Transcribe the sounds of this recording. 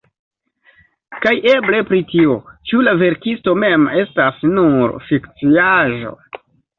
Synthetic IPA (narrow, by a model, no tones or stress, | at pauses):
kajʔe̞ble̞pɾitio̞t͡ʃulave̞ɾkisto̞me̞me̞stasnuɾfikt͡siaʒo̞̰